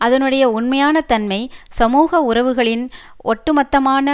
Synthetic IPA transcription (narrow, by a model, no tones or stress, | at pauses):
ʔɐðɐnɯɽɐjɐʊnmɐjaːnɐt̪ɐnmɐɪsɐmuːɣɐʊɾɐʋɯɣɐɭɪn | ʔɔʈːɯmɐt̪ːɐmaːnɐ